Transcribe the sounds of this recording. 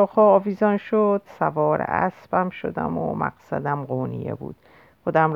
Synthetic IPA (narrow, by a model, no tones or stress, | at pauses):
ɒːxɒːviːzɒnʃod̪̥sævɒːɾḛʔæsb̥æmʃo̞̰d̪æ̰mo̰mʔæ̰ɡsæd̪æmɢoːnijḛbṵːd̪̥ | xod̪æm